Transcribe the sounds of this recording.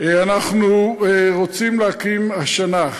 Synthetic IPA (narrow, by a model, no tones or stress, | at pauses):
anaχnuʁot͡simlehakimhaʃana